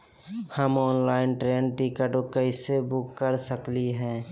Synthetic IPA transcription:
həmɔːnlaːɪnʈɾeːnʈikəʈokəisebʊkːəɾsəkliɦɛ̃ː

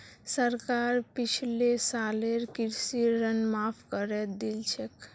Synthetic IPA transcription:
səɾkaɾpit͡ʃʰilesaleɾkiɾsiɾənmapʰkəɾɛd̪elt͡ʃʰek

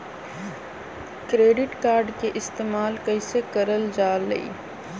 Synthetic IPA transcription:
kɾeːɖɪʈkaːɾɖkeʔɪst̪eːmaːlkɐisekɐɾəld͡ʒaːlːɐ̰ḭː

